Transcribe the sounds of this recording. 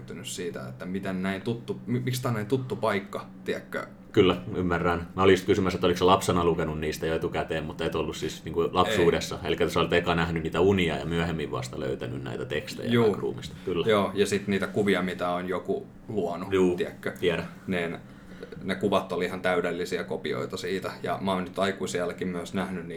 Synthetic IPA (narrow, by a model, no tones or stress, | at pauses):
t̪ːynyssiːt̪æ̰ḛt̪ːæmit̪ennæint̪ut̪ːumimikst̪ɑːnæint̪ut̪ːupɑikːɑt̪iækːø̰ | kylːæymːærːænmæolist̪kysymæset̪ːolikselɑpsenɑlukenunniːst̪æjoet̪ukæt̪eːmmut̪ːet̪olːussisniːŋkulɑpsuːdesːɑḛlikːæt̪osolt̪ekɑnæhnynniːt̪æuniɑ̰jɑ̰myæhemːiʋʋɑ̰st̪ɑlø̰yt̪æny̰nnæ̰it̪æt̪ekst̪ḛjɑj̰uːɑːkrṵːmist̪ɑ̥kylːæjoːjɑsit̪niːt̪ækuʋiɑmit̪æonjoku | luɑnujuːiækːøt̪iæɾæ | niːn | nekuʋɑt̪ːolihɑnt̪æydelːisiækopio̰it̪ɑsiːt̪æjɑ̰mɑonnyt̪ɑikuisiɑlːækimmyæsnæhnynni